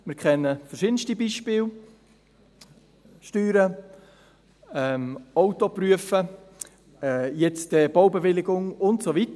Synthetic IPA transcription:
mɪːɾkʰɛnːəfɛɾʃɪdən̩stibiːʃpɪːl | ʃtyːɾə | ɛmɔʊtopɾyəfə | jɛt͡sdɛb̥owbevɪlɪɡʊŋʊntsovit

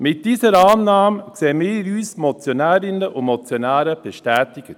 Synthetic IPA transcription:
mɪt̚d̥iːzəɾɑːnːɑːmkseːəmiːɾyːsmɔt͡sjonɛːɾɪnəʔʊnmɔt͡sjonæːɾəb̥eʃtɛːtɪɡ̥ə

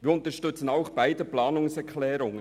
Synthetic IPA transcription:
viːʊntəʃtʏt͡sən̩aʊxb̥aɪdəplɑːnʊŋsɛkʰlɛːɾʊŋən

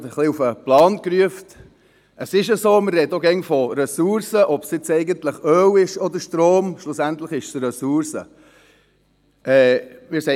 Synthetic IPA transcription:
təχliufəplɑːnkɾyəft | əsɪʃəzoːmərɛdoɡɛnfɔɾɛsuɾsəʔɔpsjɪt͡sɛɪɡəntləχœːwɪʃɔd̪əɾʃtɾoːmʃlusæntləχɪʃsəɾɛsuɾsə̰ | ʔɛːmɪɾsɛ

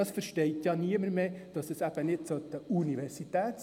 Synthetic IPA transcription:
ɑsfəɾʃtɛɪt̪jɑniəməɾmeːd̥ɑsəsæb̥ənɪtt͡sot̪əuniʋɛrsitæːt̪s

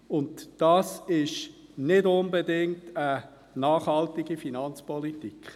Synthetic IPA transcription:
ʊntd̥ɑsɪʃnɪdʊnbədɪŋtə | nɑːχhɑltiɡifinɑnt͡spɔlitikχ

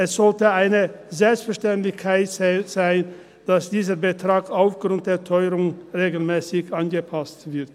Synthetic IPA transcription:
ʔɛsz̥ɔltəaɪnə | zɛlpstfɛɐʃtɛntlɪçkʰaɪtzɪz̥aɪn | d̥asd̥iːzəʁbətʁ̥aːkaʊfɡ̥ʁʊnt̚d̥eːɐtʰɔʏɾʊŋʁeːɡl̩mɛːsɪçʔanɡəpʰastv̥ɪɐt

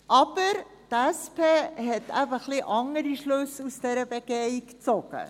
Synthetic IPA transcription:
ʔɑbəɾ | tæspʰeːɦɛtʰæfəχliʔɑŋəɾiʃløsusd̥æɾəbəɡeikt͡sɔɡə̰

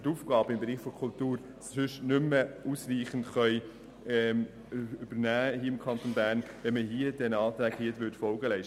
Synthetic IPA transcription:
tuːfɡɑːbəɪmbɛɾiːχfɔɾkʰultuːɾ | ssʏʃnʏməuːsɾiːχən̩tχœʏ | ɛ | yb̥əɾnæːhiəɪmkʰɑnt̪onbæːɾnʋɛməɦiədɛnɑːt̪ɾæːɡhiətʋʏtfɔlɡəlæɪʃ

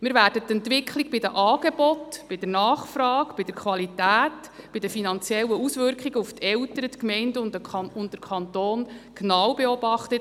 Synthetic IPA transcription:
mɪɾʋæːrdət̪ːɛntʋɪkʰχliɡb̥ɪdəʔɑːɡ̥eb̥ɔtb̥ɪd̥ənɑːχfrɑːkb̥ɪdəɾkʰʋɑlitæːtb̥ɪdəfinɑnt͡sjɛlːəusʋʏɾkχiɡəuftʰɛltəɾətkmɛɪndəʊndəɑʊntdəɾkʰɑnt̪oːnknɑwbeɔbɑχt̪ət

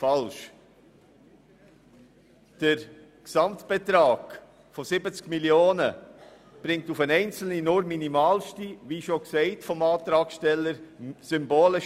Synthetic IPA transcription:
fɑlʃ | d̥əɾ | ksɑmtb̥etɾaːɡ̥ | fosɪbət͡skmiljoːnə | b̥ɾɪŋ̚tufənɛɪnt͡sl̩ninʊɾminimaːlʃtiʋiːʃoksɛɪtfɔmɑːtɾaːkʃtɛlːəɾsʏmboːləʃ

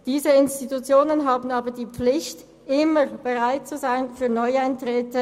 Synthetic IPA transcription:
d̥iːzəɪnstitut͡sjoːnənɦaːbn̩aːbɐdiːp͡flɪçt | ʔɪməb̥eʁaɪt̚t͡suzaɪnfyːɐnɔʏaɪntʁɛːtə

